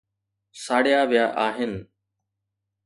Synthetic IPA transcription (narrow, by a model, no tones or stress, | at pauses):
saːɽɪjaːʋɪjaːʔaːɦɪnɪ̆